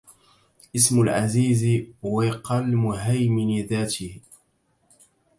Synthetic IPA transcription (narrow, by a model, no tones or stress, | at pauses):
ʔɪsmʊlʕaziːzwaqɑlmʊɦajmɪnɪðaːt̪ɪh